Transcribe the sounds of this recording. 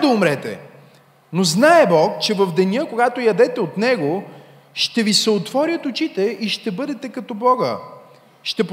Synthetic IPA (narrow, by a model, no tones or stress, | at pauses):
d̪ɐʊmɾɛt̪ɛ̰ | noznaɛbɔkt͡ʃɛvɐvd̪ɛnʲjɤkoɡat̪ojɐd̪ɛt̪ɛot̪nɛɡo | ʃt̪ɛvisɛot̪vɔɾʲjət̪ʊt͡ʃit̪ɛʔiʃt̪ɛbɤd̪ɛt̪ɛkɐt̪ɔbɔɡə̰ | ʃt̪ɛp